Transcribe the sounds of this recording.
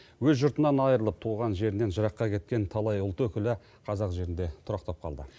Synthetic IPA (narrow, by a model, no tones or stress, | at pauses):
wɵzʒʊɾt̪ənɑnɑjəɾəlˠəp̚t̪ʰuʁɑnʒe̞ɾɪne̞nʒəɾɑqːɑkʲʰe̞t̪̚kʲe̞nt̪ʰɑlˠɑjʊlˠt̪əwɵkʲɪlɪ | qʰɑzɑqʒe̞ɾɪnd̪e̞t̪ʰʊɾɑqt̪ɑp̚qʰɑld̪ə